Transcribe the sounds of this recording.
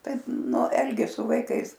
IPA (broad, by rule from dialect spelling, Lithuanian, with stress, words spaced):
ˈtɐɪp ˈnʊ ˈɛlʲɡʲeːs sʊ ʋɐɪˈkɐɪs